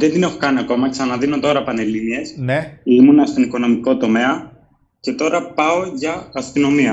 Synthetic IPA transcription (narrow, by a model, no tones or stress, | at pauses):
ðend̪ine̞xo̞kɐniɐko̞mɐksɐnɐðino̞t̪o̞ɾɐpɐne̞linie̞simunɐst̪o̞niko̞no̞miko̞t̪o̞me̞ɐ | ce̞t̪o̞ɾɐpɐo̞ʝɐːst̪ino̞miɐ